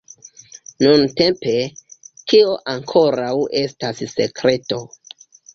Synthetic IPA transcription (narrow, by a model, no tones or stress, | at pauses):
nunte̞mpe̞tʰio̞ʔaŋkʰo̞ɾawe̞stasse̞̰kɾe̞to̞